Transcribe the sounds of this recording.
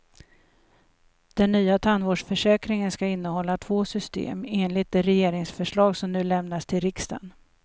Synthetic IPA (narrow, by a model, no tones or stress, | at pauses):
d̪̥ɛnːyːat̪ʰanvoːɖʂfœʂɛːkɾɪŋənskaɪn̪ːəhɔlːat̪ʰvoːsʏst̪ḛːmeːnlɪt̪̚d̪ɛɾɛjeːɾɪŋsfœʂɭɑːɡsɔmnʉ̟ːlɛmnast̪ʰɪlɾɪkst̪a̰n